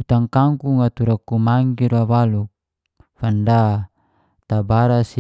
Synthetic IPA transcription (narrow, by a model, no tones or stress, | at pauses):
ut̪aŋkaŋkuŋat̪uɾakumaŋɡiɾawaluk̚ | fanda | t̪abaɾasi